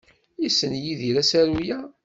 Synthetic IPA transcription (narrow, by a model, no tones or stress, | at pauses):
jisːənjiðiɾæsæɾujæ